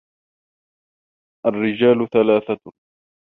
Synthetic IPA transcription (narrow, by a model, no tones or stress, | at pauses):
ʔarːɪd͡ʒaːlθalaːθa